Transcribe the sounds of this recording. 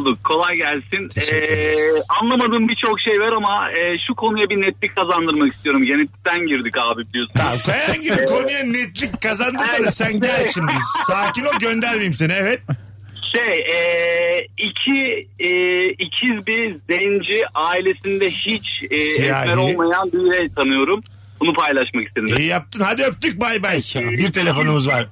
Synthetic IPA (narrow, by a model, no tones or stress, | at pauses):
d̪ukʰːo̞lˠajɟælʲsinɛːanlˠamad̪ɯːmbit͡ʃʰo̞kʃejvaɾamaɛːʃukʰo̞nujabinɛt̪lʲickʰːazand̪ɯɾmaki̥st̪ʰijo̞ɾumɟenɛt̪ʲːi̥t̪ʰænɟiɾd̪ikaːbibilʲijosunakʰajaanɟibikʰo̞nujanːɛt̪lʲickʰazand̪ɯsanasænɟælʲʃimisaːcinoɟø̞nd̪æɾmejimsinevɛt̪̚ | ʃejɛː | icʰiː | cʰizbizɛnd͡ʒiʔaːilʲe̞sind̪ɛhit͡ʃɛːsijɛa̰ːɛɾo̞lˠmajanbijɾɛjt̪ʰanɯjo̞ɾum | bunupʰajlˠaʃmakist̪ʰeniejijap̚t̪ʰɯnhad̪iøp̚t̪yc̚bajbajbiɾt̪ʰe̞lʲe̞fo̞numɯzvaɾ̥